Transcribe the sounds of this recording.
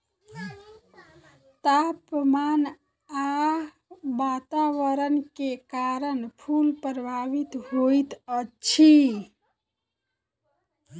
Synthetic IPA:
t̪apman | a | bat̪aʋəɾənkekaɾənpʰulpɾəbʱaʋit̪ɦojt̪ət͡ʃʰi

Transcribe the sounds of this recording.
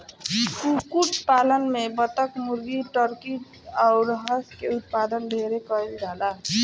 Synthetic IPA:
kukuʈpalənmebət̪əkmuɾɡiʈəɾkiʈ | aʊɾəɦəskeut̪̚pad̪ənɖʱeɾekəild͡ʒala

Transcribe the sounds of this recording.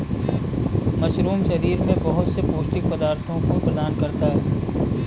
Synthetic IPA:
mɐʃɾuːmʃɐɾiːɾmẽbɐɦʊt̪sepoːʃʈɪk̚pɐd̪aːɾt̪ʰõkopɾɐd̪aːnkɐɾt̪aɦɛː

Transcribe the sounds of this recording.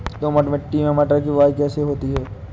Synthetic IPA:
d̪oːmɐʈmẽʈiːmemɛːʈəɾkiʋaːjkɛːseɦoːt̪iɦɛː

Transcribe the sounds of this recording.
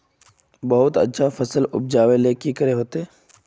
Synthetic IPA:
bɐɦʊt̪ɐ̰tːʃʰafɐsəlʊ̰p̚d͡ʒaːʋeleːkikəɾeɦoːt̪eɛː

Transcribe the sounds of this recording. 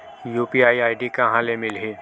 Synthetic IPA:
juːpiaːiaːɪɖikãɦãlemɪlɦe

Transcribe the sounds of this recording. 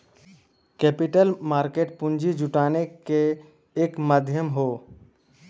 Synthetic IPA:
kɛpiʈəlmaːɾkeːʈpʊ̃nd͡ʒid͡ʒʊʈaːnekeː | kmad̪ʱjəmɦoː

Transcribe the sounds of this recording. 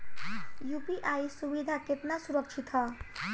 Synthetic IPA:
jupiʔajisubid̪ʱaket̪nasuɾəkʃʰit̪ɦa

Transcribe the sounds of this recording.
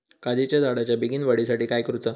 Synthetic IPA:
kad̪it͡ɕjad͡zaɽat͡ɕjabiɡiːnʋəɽisaʈiːkajkɾut͡sə

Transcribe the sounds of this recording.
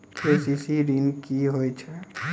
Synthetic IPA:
kesisiɾinkiɦojt͡ʃʰɛ

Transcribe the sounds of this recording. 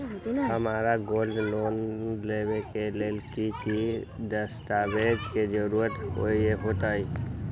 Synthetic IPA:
əmaɾaɡolɖlonlebekelelkikiɖəsʈabed͡ʒked͡ʒəɾuɾət̪o̰ieɦot̪aj

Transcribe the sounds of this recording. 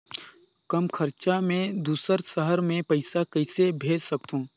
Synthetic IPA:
kɐmkʰəɾt͡ʃamẽd̪uːsəɾsəɦəɾmẽpɐɪsakɐɪsebʱeːd͡ʒsɐkt̪ɦũː

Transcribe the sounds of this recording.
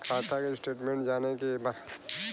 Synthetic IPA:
kʰaːt̪ʰakesʈeːʈmẽɳʈd͡ʒaːnekeba

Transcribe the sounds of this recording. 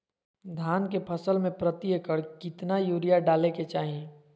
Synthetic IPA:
d̪ʱaːnkepʰəsəlmẽpɾət̪iəkəɾkɪt̪najuːɾijaɖaːleket͡ʃaːɦie

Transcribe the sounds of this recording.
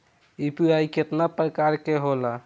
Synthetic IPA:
ipiajket̪napɾəkaɾkeɦola

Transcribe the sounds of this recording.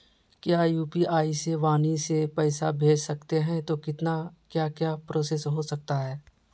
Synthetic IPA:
kjaːjuːpiʔaːiseʋaːnisepɛːsa̰bʱeːd͡ʒsɐkt̪eɦɛ̃t̪okɪt̪nakjaːkjaːpɾoːsesɦosɐk̚t̪aɦɛː

